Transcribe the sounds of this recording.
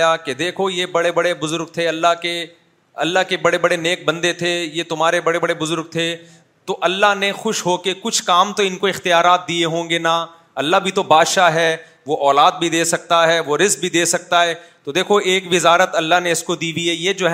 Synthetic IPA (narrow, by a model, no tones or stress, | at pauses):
jaked̪eːkʰojebɐɽebɐɽebʊzʊɾɡ̚t̪ʰeɐlːaɦke | ɐlːaɦkebɐɽebɐɽeneːk̚bɐ̃nd̪et̪ʰejet̪ʊmɦaːɾebɐɽebɐɽebʊzʊɾɡ̚t̪ʰe | t̪oʔɐlːaɦnexʊʃɦoːkekʊt͡ʃʰkaːmt̪oɪnkoɪxt̪ɪjaːɾaːt̪̚d̪ieɦõːŋɡena | ɐlːaɦbʱit̪obaːd̪ʃaːɦɛː | ʋoʔɔːlaːd̪̚bʱid̪eːsɐk̚t̪aɦɛːʋoɾɪzk̚bʱid̪eːsɐk̚t̪aɦɛːt̪od̪eːkʰoʔeːkʋɪzaːɾət̪ɐlːaɦneɪskod̪iːbʱiɛːjeːd͡ʒoːɦ